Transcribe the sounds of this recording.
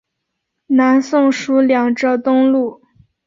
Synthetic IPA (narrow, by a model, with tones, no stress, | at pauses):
na˧˥nsʊ˥˩ŋʂu˧˥ljɑ˨˩ŋʈ͡ʂɤ˥˩t̪ʊ˥ŋlu˥˩